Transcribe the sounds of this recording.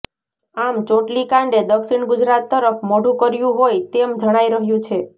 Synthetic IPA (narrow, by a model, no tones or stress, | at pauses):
amt͡ʃoʈlikãɳɖed̪əksiɳɡʊd͡ʒɾat̪ːəɾəpʰmoɽũkəɾjũɦojt̪emd͡ʒəɽ̃aiɾəɦjũt͡ʃʰe